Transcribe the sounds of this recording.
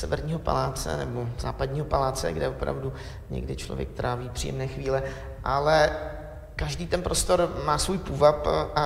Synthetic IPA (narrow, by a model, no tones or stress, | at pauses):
sɛvɛɾɲiːɦo̞pa̰laːt͡sɛ̰nɛboz̥aːpadɲiːɦo̞palaːt͡sɛ̰ɡdɛvopɾa̰vdu | ɲɛ̰ɡdɪt͡ʃlovjɛ̰k̚t̪ɾʔaːviːpr̥ḭːɛ̰mnɛːxviːlɛ | ʔalɛ | kaʒdiːt̪ɛnpɾʔo̞st̪o̞ɾmaːsvuːjpuːvapʔa